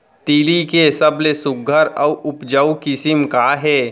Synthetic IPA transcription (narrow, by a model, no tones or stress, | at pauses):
t̪iːlikesɐblesʊɡʱəɾɐwʊpd͡ʒəukɪsɪmkaːɦɛː